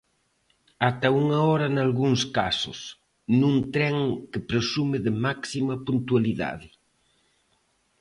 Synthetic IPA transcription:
at̪ɐuŋɐɔɾɐnalɣuŋskasʊ̰s | nũnt̪ɾɛŋkɪpɾesumɪðɪmaksimɐpunt̪ualiða̰ðɪ

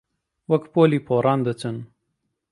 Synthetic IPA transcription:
wɐkpoːliːpʰoːɾʔɑːnd̪ət͡sɨn

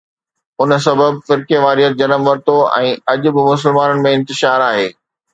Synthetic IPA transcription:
ʊns̬ɐbəbfɪɾkeʋaːɾijət̪̚d͡ʑɐnəmʋɐɾt̪oɛ̰̃ːɐʄʊ̆bɪmʊsɪlmaːnənɪ̆mẽɪ̃nt̪ɪʃaːɾaːɦeː

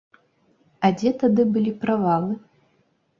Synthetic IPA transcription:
ɐd͡zʲɛt̪ad̪ɨbɨlʲipɾavalˠɨ

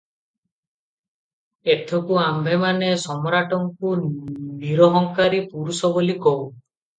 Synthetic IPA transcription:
et̪ʰɔkuambʱemanesɔmɔɾaʈɔŋkudiɾɔɦɔŋkaɾipuɾusɔbolikɔw

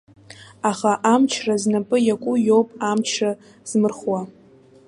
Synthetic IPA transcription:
aχaʔamt͡ʃʰraznapʼɨjakʷʼʊjowpʼamt͡ʃʰra | z̥mɨrχwa

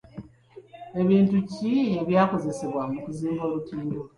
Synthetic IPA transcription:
e̞βiːntucieβjaːko̞ze̞seβwamukuziːmbo̞ːɾutiːndo

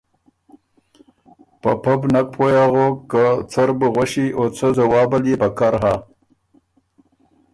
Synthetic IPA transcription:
papabnak̚pʰojaɣokːat͡saɾbəɣwaʃiʔot͡səzawɑːbaljepakaɾɦa

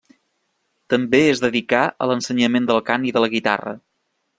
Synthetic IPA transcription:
t̪əmbeezðəðikaə̰lənsəɲəmend̪əlˠkaniðələɣit̪a̰rə̰

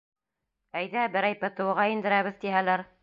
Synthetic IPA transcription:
æjðæbɘ̆ɾæjpɤ̆t̪ɤ̆wɤ̆ʁɑind̪ɘ̆ɾæβɘðt̪iɦælæɾ

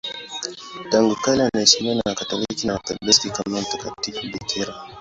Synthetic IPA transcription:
taŋɡukalɛanaɛsimianakatɔliikinaapɛbɛskikanɔm̩takatifubikʰɛɾa

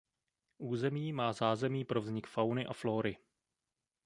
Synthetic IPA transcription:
ʔuːzɛmiːmaːzaːzɛmiːpɾo̞vzɲɪkfawnɪʔaflo̞ːɾɪ

